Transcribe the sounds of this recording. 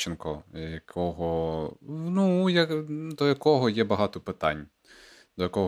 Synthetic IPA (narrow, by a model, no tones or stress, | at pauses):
t͡ʃɪnkɔjɐkʰɔɦɔ | nujɐkd̪ɔjɐkɔɦɔjɛbɐɦɑt̪ɔpɪt̪ɑ̰nʲ | d̪̥ɔjɐkɔɦ